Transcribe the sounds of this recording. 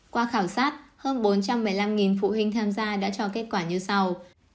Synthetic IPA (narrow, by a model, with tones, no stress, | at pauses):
kwaː˧xaː˧˩wsaː˦˥t̚həː˧nɓo˨˦nt͡ɕa˧mːɨ˨˩jla˧mŋi˨˩nfṵ˧˨hï˧ŋ̟t̪ʰaː˧mzaː˧ɗa̰ː˧˥t͡ɕɔ˧ke˦˥t̚kwaː˧˩ɲɨ˧sa˧w